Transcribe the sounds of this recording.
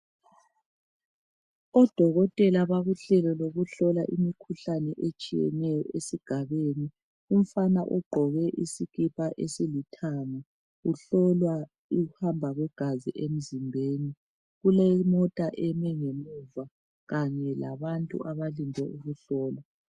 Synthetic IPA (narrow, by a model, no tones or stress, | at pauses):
ɔd̥ʱɔɣɔtʼɛlaβaɣuɬɛlɔloɣuɬɔlaʔimikʰuɬanɛʔet͡ʃʼijɛ̰nɛjɔ̰ʔesiɡ̥ʱaβeni | um̩fanaʔɔɡ͡ǃʱɔɣɛʔisiɣipʰʼaʔesilitʰana | uɬɔlwa | iɣuhambʱaɣwɛɡ̥ʱaziʔem̩zimbʱeːni | ɣulɛmɔtʼaʔɛmɛŋemuva | ɣaɲɛlaβantʼṵʔaβalindʱɛʔuɣuɬɔːla